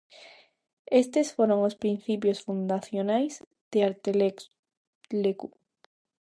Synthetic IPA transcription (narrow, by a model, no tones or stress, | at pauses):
est̪esfoɾoŋospɾin̟θipjosfund̪aθjonajz | d̪̥eaɾt̪el | leku